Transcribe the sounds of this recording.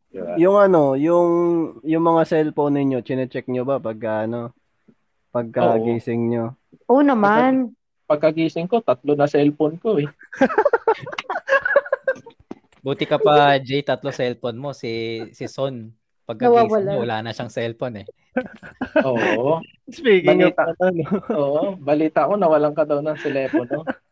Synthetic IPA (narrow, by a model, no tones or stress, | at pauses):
jʊŋɐno̞jʊŋjʊŋmɐŋasɛlponːɪɲo̞t͡ʃɪnɛt͡ʃɛk̚ɲobɐpɐɡ̚kɐʔɐno̞ | pɐɡ̚kɐɡijsɪŋɲo | ʔonɐman | pɐɡ̚kːɐɡiːsɪŋkot̪ɐt̪̚lonɐsɛlponkoɛ | buːt̪ɪkɐpɐd͡ʒɛjt̪ɐt̪lo̞sɛlponmosisɪson | pɐɡ̚kɐɐwawɐlamowɐlaːnɐʃaŋsɛlponɛ | ʔoːʔo | spiːɡt̪ad̪ɐoːʔobɐliːt̪ɐʔɐko̞nɐwɐlaŋkɐd̪ɐwnɐŋsɛlɛːpono